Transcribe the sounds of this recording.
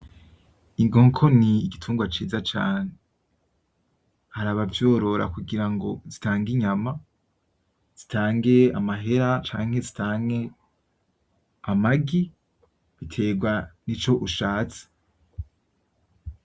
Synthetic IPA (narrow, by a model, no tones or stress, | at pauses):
iŋɡoːŋkʰo̞niːɡitʰuːŋɡwat͡ʃiːzat͡ʃaːne | haɾaβavjo̞ːɾo̞ɾa̰kuɡiɾaŋɡo̞zitaːŋɡiɲama | z̥i̥tʰaːŋɡe̞amaɦe̞ɾat͡ʃa̰ːŋ̥he̞zitʰaːŋe̞ | amaɡi | βitʰe̞ːɡwanit͡ʃo̞ʔuʃaːt͡se̥